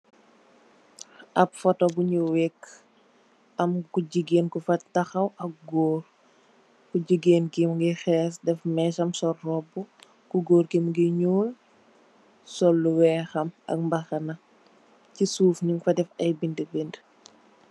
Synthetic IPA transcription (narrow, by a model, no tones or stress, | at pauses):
ʔɐpfɔtɔbuɲuwɛkː | ɐmkuɟiɡeːnkufɐtɐxɐwʔɐk̚ɡɔːr | kuɟiɡeːnkimɡixɛːsdɛfmɛʃɐmsɔrːɔbu | kuɡɔːrkimɡiɲuːl | sɔlːuwɛːxɐmɐ̰k̚mbɐxɐnɐ | cisuːfɲuŋfɐdɛfɐjbindəbind